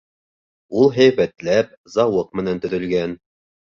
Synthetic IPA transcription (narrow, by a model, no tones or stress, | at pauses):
ulˠɦæjβæt̪læp̚zɑwɤq̚mɘ̆nænt̪ɵ̆ðɵ̆lɡæn